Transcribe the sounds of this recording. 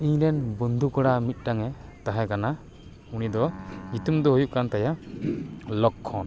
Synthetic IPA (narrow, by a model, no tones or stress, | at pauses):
iɲɾɛnbɔnd̪ʱukɔɽamit̪̚ˀʈaŋɛt̪aɦɛkana | unid̪ɔmit̪umd̪ɔɦujuʔkant̪ajaʔ | lɔkʰːɔn